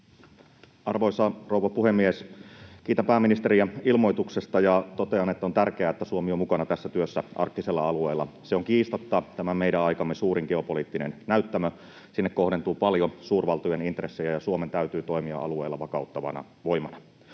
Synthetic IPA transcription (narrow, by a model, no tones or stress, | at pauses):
ʔɑrʋoisɑrouʋɑpuhemːiesk̟iːt̪æmpæːmːinist̪eɾiæilmo̞jt̪uksest̪ɑjɑt̪ot̪e̞ɑnet̪ːæot̪ærkeæet̪ːæsuomiomukɑnɑt̪æsːæt̪yøsːæɑ̰rkt̪iselːɑɑlueːlːɑ̰seoŋkiːst̪ot̪ːɑt̪æmæmeiɾæɑjkɑmːesuːɾiŋɡeo̞poliːt̪ːinḛnnæyt̪ːæmø | sinːekːo̞hdent̪uːpɑljosuːrʋɑlt̪ujenint̪resːejæjɑsuome̞nt̪æyt̪yːt̪o̞imiɑ̰ʔɑ̰lueːlːɑʋɑkɑut̪ːɑʋɑ̰nɑ̰ | ʋo̞jmɑnɑ